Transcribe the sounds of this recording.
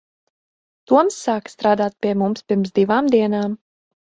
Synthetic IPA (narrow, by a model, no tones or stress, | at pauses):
t̪uɔmsːaːkst̪ɾaːd̪aːt̪̚pʲiɛmumspʲiɾmsd̪ivaːmd̪iɛnaːm